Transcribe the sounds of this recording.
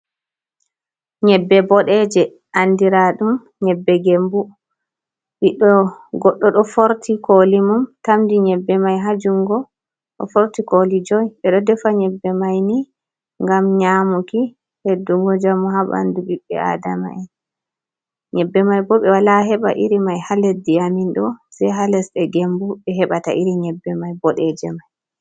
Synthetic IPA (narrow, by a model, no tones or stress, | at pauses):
ɲɛbːɛbɔɗɛd͡ʒɛ | ʔandiɾaɗum | ɲɛbːɛɡembu | ɓiɗɔɡɔɗːɔɗɔfoɾtʰikolimumtamdiɲɛbːɛmajɦad͡ʒuŋɡɔ | ɗɔ̰foɾtikolid͡ʒɔjɓɛɗɔdɛfaɲɛbːɛmajni | ŋɡamɲamuki | hedːuŋɡɔd͡ʒamuɦaɓa̰nduɓiɓːɛ̰a̰dama̰ɛn | ɲɛbːɛmajbɔɓɛwalaɦɛɓa̰ʔiɾimajhalɛsdiaminɗɔsɛɦalɛsɗɛɡembuɓɛɦɛɓata̰ʔiɾiɲɛbːɛmajbɔɗɛd͡ʒɛmaj